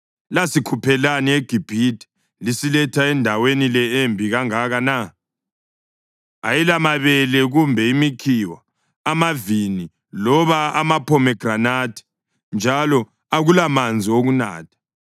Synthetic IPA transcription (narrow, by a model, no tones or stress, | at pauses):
lasikʰupʰɛlanieɡ̥ʱib̥ʱitʰʼɛ̥ | lisilɛtʰaɛndʱawenilɛembʱiɣaŋaɣana | ajilamaβɛlɛɣumbʱɛimikʰiwaː | mavini | lɔβaamapʰɔmɛɡ̥ranatʰɛ̥ | nd͡ʒʱalɔ | aɣulamand͡zʱioɣuna̰ːtʰḁ